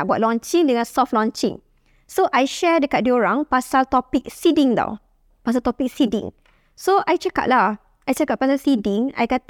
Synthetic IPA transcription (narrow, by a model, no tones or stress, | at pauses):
ʔ̚bwa̰t̚lɔ̃nt͡ʃĩŋdəŋãnsɔf̚lɔ̃nt͡ʃḭ̃ŋ | soʔajʃɛdəkaʔ̚dioɹãŋpasalt̪ɔpik̚sidĩŋda̰w | pas̬alt̪ɔpik̚sidḭ̃ŋ | soʔajt͡ʃəka̰ʔ̚la | ʔajt͡ʃəkap̚pasalsidĩŋa̰jkat̪